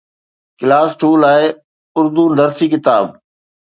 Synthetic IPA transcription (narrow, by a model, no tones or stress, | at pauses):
kɪlaːsʈuːlaːɪ | ʊɾd̪unɐɾsiːkɪt̪aːb